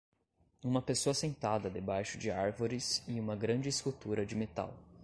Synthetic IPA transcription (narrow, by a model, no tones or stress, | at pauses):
ũmɐpesoɐsẽnt̪ad̪ɐd̪ebajʃʊd͡ʒɪaɾvoɾɪsɪũmɐɡɾɐ̃d͡ʒɪskut̪uɾɐd͡ʒɪmet̪a̰w